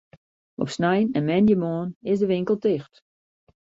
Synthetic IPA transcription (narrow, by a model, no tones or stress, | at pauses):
ʔɔ̰psnɛjnɛnmɛnjəmoːnɪsdəʋɪŋkəl̩ˠtɪxt